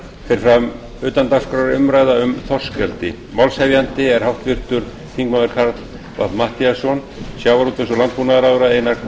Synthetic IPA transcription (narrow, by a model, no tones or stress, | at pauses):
fɪɾɪfɾam | ʏːt̪ant̪ḁskɾaɾʏmɾaːjðaʏmθɔr̥scɛlt̪ɪ | mawlshɛvjant̪ɪɛɾ̥hawht̪vɪr̥t̪ʏɾ̥ | k̪ʰiŋk̚mawðɛɾkʰaɾt̪l̥ | va̰t̪maht̪iasɔn | sjawvaɾut̪ʏnsɔlant̪̚punaðɾawɣʏɾaeːjna